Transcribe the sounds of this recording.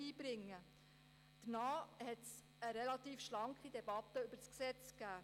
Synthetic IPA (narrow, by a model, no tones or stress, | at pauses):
iːbɾɪŋːə | d̥ənɑːhɛts | əɾɛlɑt̪iːfʃlɑŋkχid̪ɛbɑt̪ːəʏb̥əɾsksɛt͡skæː